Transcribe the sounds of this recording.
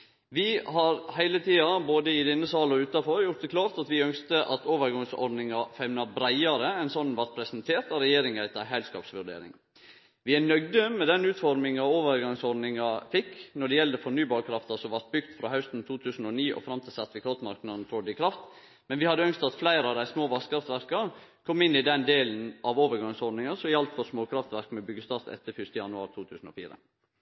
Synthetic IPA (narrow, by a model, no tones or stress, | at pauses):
ʋɪhɑɾhæɪlət̪ʰiːɑboːd̪əɪd̪ɛnːəsɑːlɔʉːt̪ɑfɔɾjʊt̪d̪əkʰlɑːft̪ɑt̪ʋɪœŋst̪əʔɑt̪oːʋəɾɡɑŋsɔ̰ɾɖnɪŋɑfɛmnɑbɾæɪɑɾəɛnsɔnːʋɑɾt̪pʰɾɛsnt̪ʰeːɾt̪ɑɾɛjeːɾɪŋæɪt̪əɦælskɑ̰ːpsʋʉɖḛːɾɪ̰ŋ | ʋɪænœɡd̪əmɛd̪ɛnʉːt̪fɔɾmɪŋɑoːʋəɾɡɑŋsɔɖ̪nɪŋɑfɪkːnɔɖɛjɛld̪əfɔɳyːbɑːɾəkʰɾɑft̪ɑsɔʋɑɾt̪̚bʏɡt̪fɾɑhɑʉst̪n̩t̪ʰuːt̪ʰʉːsn̩ɔniːʔɔ̰fɾɑmt̪ʰɪsɑt̪ʋɪkʰɑt̪mɑɾknɑd̪nfɔɖɪkʰɾɑft̪ | mɛnʋɪhɑd̪ːəœŋst̪ɑt̪flæɪɾəɑʋd̪æɪsmoːʋɑskʰɾɑft̪ʋæɾkɑ | kʰɔmːɪnːɪd̪ɛnd̪eːln̩ʔɑʋoːʋəɾɡɑŋsɔɖnɪŋɑsɔɪjɑlt̪fɔɾsmoːkʰɾɑft̪ʋæɾkmɛbʏɡəst̪ɑːɾt̪ɛ̰t̪ːəfʏʂt̪əjɑnʉɑːɾt̪ʰuːt̪ʰʉːsn̩ɔ̰fḭːɾə̰